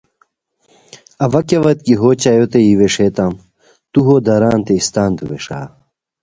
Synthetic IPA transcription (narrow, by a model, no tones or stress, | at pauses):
ɐʋɐkeʋɐt̪̚kiɦoːt͡ɕajot̪eiweʂet̪am | t̪uɦoːd̪ɐɾaːnt̪eist̪aːnt̪uweʂa̰ː